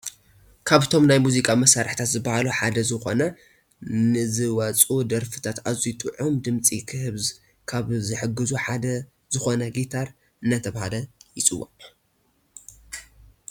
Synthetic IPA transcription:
kʰaβt̪ʰo̞mnajmuzikʼamɐsaɾħt̪ʰat̪zɨbɐhaluħad̪ɐzɨxo̞̰nɐ | nɨzɨwɐt͡sʼud̪ɐɾfɨ̥t̪ʰat̪azijt̪ʼɨʕomd̪ɨmt͡sʼikʰɨhɨβz | kʰaβzɨħɨɡːɨzuħad̪ɐ | z̥ɨxo̞nɐɡit̪ʰaɾ | ɨnːat̪ʰɐβahalɐjɪt͡sʼɨwːa̰

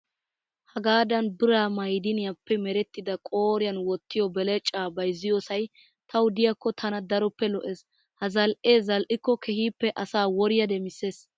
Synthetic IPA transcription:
hɐɡaːd̪ɐnbɪɾaːmɐjd̪ɪnɪjɐpːɛmɛɾɛt̪ːɪd̪ɐkʼoːɾɪjɐnwɔt̪ːɪjɔbɛlɛt͡ʃʼaːbɐjzːɪjɔsɐj | t̪ʰɐwd̪ɪjɐkːɔt̪ʰɐnɐd̪ɐɾɔpːɛlɔʔeːs | hɐzɐlʔeːzɐlʔɪkːɔkʰɛhiːpːɛʔɐsaːwɔɾɪjɐd̪ɛmɪseːs

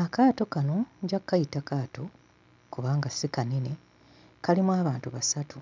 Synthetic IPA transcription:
akaːto̞kano̞ɲɟakkːajitakaːto̞ | kuβaːŋɡasikanine | kalimwaːβaːntuβasatʰu

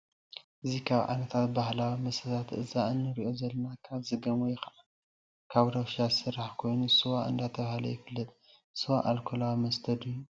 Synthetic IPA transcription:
ʔɨzikʰaβʕa̰nɐt̪ʰat̪̚bahlawimɐsɐzat̪ʔɨzaɨnːɨɾiʔo̞zɐlɐnakʰazɨɡɐmojɛxɐna | kʰaβd̪awʃasɨɾːaħkʰo̞jnusɨwaɨ̰nd̪at̪ʰɐβahalɐ̰jɪfɨlːɨt̪ʼ | sɨwaʔalkʰolawimɐst̪ʰɐd̪ɨjːu

